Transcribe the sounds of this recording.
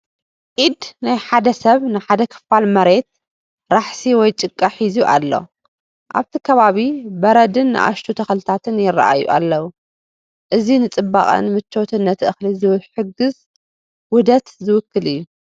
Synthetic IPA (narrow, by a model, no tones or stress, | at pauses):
ʔid̪najħad̪ɐsɐβnɨħad̪ɐkʰɨ̥falmɐɾe̞t̪̚ | ɾaħsiwɔjt͡ʃʼɨkʼːaħizuʔa̰lːo̞̰ | ʔa̰βt̪ʰikʰɐβaβibɐɾɐd̪ɨnːɨ̰ʔa̰ʃt̪ʰut̪ʰɐxlɨt̪ʰat̪ʰɨnjɪrːa̰ʔa̰jṵʔa̰lːɐwu | ʔɨzinɨt͡sʼɨbːaχʼɐ̰nmɨt͡ʃːo̞t̪ʰɨnːɐt̪ʰɨʔɨxlizɨwɨħɨɡɨz | wʊd̪ɐt̪zɨwʊkːɨlɨjːu